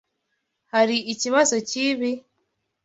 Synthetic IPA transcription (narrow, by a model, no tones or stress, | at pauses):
haɾiːciβazo̞ciβi